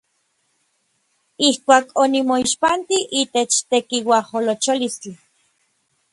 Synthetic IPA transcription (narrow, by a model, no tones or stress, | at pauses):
ihkʷaːkonimoiʃpant̪iʔiːt̪et͡ʃt̪ekiwaholot͡ʃolist͡ɬi